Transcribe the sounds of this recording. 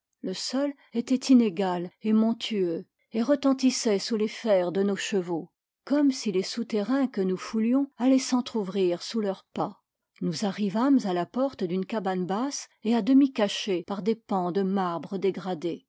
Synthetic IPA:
ləsɔl | ɛt̪ɛt̪ineɡalemɔ̃t̪ʰyø | eʁət̪ɑ̃t̪isɛsulefɛʁd̪ənoʃəvo | kɔmsilesut̪eʁɛ̃kənufuljɔ̃alɛsɑ̃t̪χuvʁiʁsulœʁpa | nuzaʁivamzalapɔʁt̪d̪ynkabanbasead̪əmikaʃepaʁd̪epɑ̃d̪əmaʁbʁəd̪eɡʁad̪e

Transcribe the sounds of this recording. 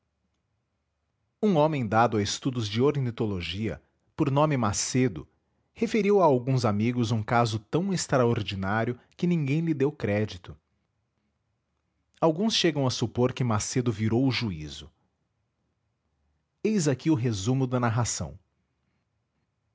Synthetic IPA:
ũõmẽj̃d̪ad̪ʊɐɪst̪ud̪ʊzd͡ʒɪoɾnit̪oloʒiɐ̰ | poɾnõmɪmased̪ʊ̰ | hefeɾiwaawɡũzamiɡʊzũkazʊt̪ɐ̃w̃est̪ɾaoɾd͡ʒinaɾjʊ | kɪnĩŋɡẽj̃lɪd̪ewkɾɛd͡ʒit̪ʊ | awɡũsʃeɡɐ̃w̃ɐsupoɾkɪmased̪ʊviɾowʊʒuizʊ | ejzakiʊɦezũmʊd̪ɐnaɦasɐ̰̃w̃

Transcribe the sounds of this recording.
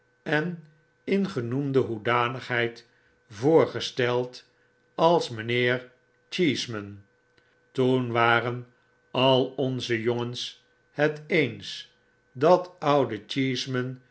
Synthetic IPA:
ɛn | ɪnχənumdəɦudaːnəχɦɛjt | voːɹχəstɛlˠt | ɑlˠsmənɪːɹ | t͡ʃiːsmən | tunʋaːrən | ɑlˠɔnzəjoŋəns | hɛtejns | dɑtʌwdət͡ʃiːsmən

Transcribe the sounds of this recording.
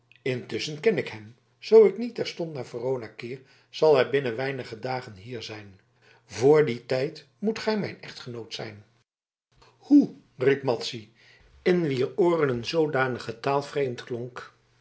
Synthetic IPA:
ɪntʏsənkɛnɪkɦɛm | z̥owɪknitɛɹstɔntnaːɹvərownakɪːɹ | z̥ɑlˠɛɹbɪnənʋɛjnəχədaːχənɦiːɹzɛjn | vʊːɹditɛjt | mutχɛjmɛjnɛχtχənowtsɛ̰jn | hu | ripmɑtsi | ɪnʋiːroːrənənzowdaːnəχətaːlˠfrejmtklɔŋk

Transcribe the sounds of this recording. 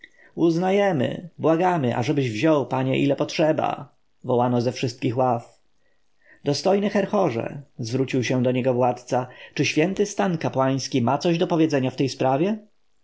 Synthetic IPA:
uznajɛmɘ̰bwaɡamɘʔa̰ʐɛbɘʑvʑɔwpaɲɛ̰ʔilɛpɔtʂɛba̰ | vɔwanɔzɛfʂɘst̪̚kʲixwaf | d̪ɔst̪ɔjnɘxɛɾxɔʐɛ̰zvɾut͡ɕiwɕɛ̃d̪ɔɲɛɡɔvwat̪t̪sat͡ʂɘɕfʲjɛnt̪ɘst̪ankapwaj̃skʲimat̪sɔʑd̪ɔpɔvʲjɛd̪zɛɲaft̪ɛjspɾavʲjɛ

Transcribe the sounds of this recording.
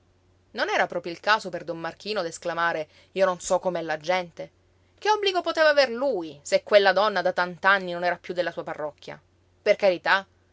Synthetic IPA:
nonɛːɾapɾɔːpɾjoilkaːsoperd̪omːark̟iːnod̪esklamaːɾe | iːononsɔkːomeɛlːad͡ʒɛnt̪e | keɔbliɡopot̪eːvaːverluːjsekːwelːad̪ɔnːad̪at̪ant̪anːinonɛːɾapjud̪ːelːasuːaparːɔkʰːja̰ | perkaɾit̪a

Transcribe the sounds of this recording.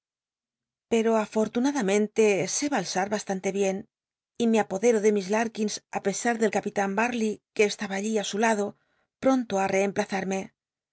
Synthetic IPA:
pe̞ɾo̞afo̞ɾt̪unaðamẽ̞nt̪e̞se̞βalsaɾβast̪ant̪e̞βje̞n | ime̞apo̞ðe̞ɾo̞ðe̞mizlaɾkinsape̞saɾðe̞lkapit̪ambaɾlike̞ːst̪aβaːʎiasulaðo̞ | pɾo̞nt̪oare̞ːmplaθaɾme̞

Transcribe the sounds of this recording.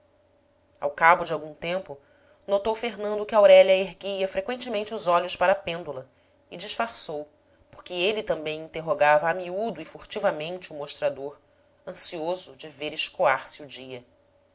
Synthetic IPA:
a̰wkabʊd͡ʒɪawɡũt̪ẽmpʊ | not̪owfeɦnɐ̃nd̪ʊkɪawɾɛljɐeɦɡiɐfɾekwẽnt͡ʃɪmẽnt͡ʃɪʊzɔʎʊspaɾɐːpẽnd̪ulɐ | ɪd͡ʒɪʃfaɾsow | poɾkɪelɪt̪ɐ̃mbẽj̃ĩnt̪eɦoɡavɐːmiud̪ʊɪfuɾt͡ʃivɐmẽnt͡ʃɪʊmoʃt̪ɾad̪oɾ | ɐ̃siozʊd͡ʒɪveɾɪʃkoaɾsɪʊd͡ʒiɐ

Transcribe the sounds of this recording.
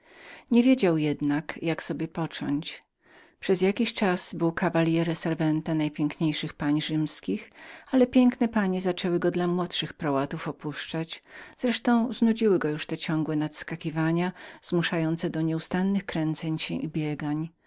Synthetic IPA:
ɲevʲjed͡ʑawjɛd̪nakjaksɔbʲjɛpɔt͡ʂɔ̰ɲt͡ɕ | pʂɛzjakʲiɕt͡ʂaz̥bɘwkavalʲjɛɾɛsɛɾvɛnt̪ɛnajpʲjɛŋkɲejʂɘxpaɲʐɘmskʲixalɛpʲjɛŋknɛpaɲɛzat͡ʂɛwɘɡɔd̪lamwɔt̪ʂɘxpɾɔwat̪ufɔpuʂt͡ʂat͡ɕz̥ɾɛʂt̪ɔ̃w̃znud͡ʑiwɘɡɔjuʂt̪ɛt͡ɕɔŋɡwɛnat̪skakʲivaɲaz̥muʂajɔnt̪sɛd̪ɔɲɛust̪anːɘxkɾɛnt̪sɛɲɕɛ̃ʔibʲjɛɡaɲ

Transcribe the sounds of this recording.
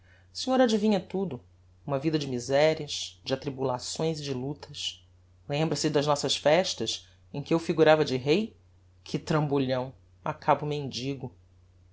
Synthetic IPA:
sĩɲoɾad͡ʒivĩɲɐt̪ud̪ʊ | ũmɐvid̪ɐd͡ʒɪmizɛɾiɐʃd͡ʒɪat̪ɾibulasõj̃zɪd͡ʒɪlut̪ʰɐs | lẽmbɾɐsɪd̪ɐʒnɔsɐʃfɛʃt̪ɐʃ | ẽj̃kʲɪewfiɡuɾavɐd͡ʒɪɦej | kʰɪt̪ɾɐ̃mbuʎɐ̃w̃ | akʰabʊmẽnd͡ʒiɡʊ

